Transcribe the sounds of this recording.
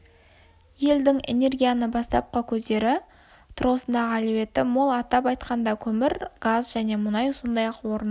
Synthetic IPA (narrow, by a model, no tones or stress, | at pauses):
je̞ld̪ɪŋe̞̰ne̞ɾɡʲijanəbɑst̪ɑp̚qəkʲʰɵzd̪e̞ɾɪ | t̪ʰʊɾʁəsənd̪ɑʁəælewe̞t̪ːɪmo̞lˠɑt̪ɑpɑjt̪qɑnd̪ɑkʲʰɵmɪɾɡ̥azʒæne̞mʊnɑjsond̪ɑjɑqwo̞ɾən